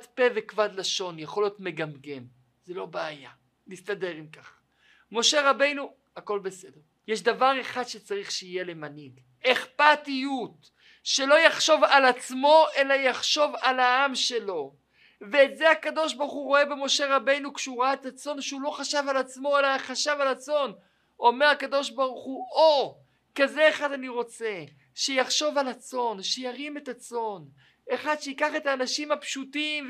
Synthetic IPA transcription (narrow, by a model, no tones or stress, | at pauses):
tpevekvad̪laʃo̞njaχo̞lijo̞tme̞ɡamɡem | zelo̞beaja | nistade̞ʁimkaχ | mo̞ʃe̞ʁabe̞jnu | ako̞lbe̞se̞deʁ | jeʃ̬davaʁe̞χadʃet͡saʁiχʃeije̞le̞maniɡ | eχpatijut | ʃe̞lo̞jaχʃo̞valat͡smo̞ʔe̞lajaχʃo̞valaamʃe̞lo̞ | ve̞ːtzeakado̞ʃbaʁχuʁo̞e̞be̞mo̞ʃe̞ʁabe̞jnukʃuʁaetat͡so̞nʃeulo̞χaʃavalat͡smo̞elaχaʃavalat͡so̞n | o̞meʁakad̪o̞ʃbaʁuχuo | kaze̞ːχadaniʁo̞t͡se̞ | ʃejaχʃo̞valat͡so̞nʃejaʁime̞tat͡so̞n | eχad̪ʃeikaχe̞taːnaʃimhapʃutim